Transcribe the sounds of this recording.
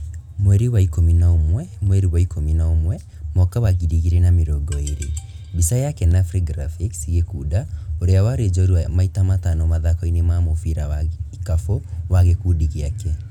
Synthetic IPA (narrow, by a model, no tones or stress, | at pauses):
mwɛɾiwaikominaomwɛmwɛɾiwaikʰominaomwɛ | mɔkawaɣiɾiɣiɾenameɾoɡɔeɾe | bisajakɛnafɾiɡɾafiksiɣekuːdaoɾeawaɾed͡ʒɔoɾiamaitamatanɔmaðakɔinemamofiɾawakafowaɣekudiɣiakɛ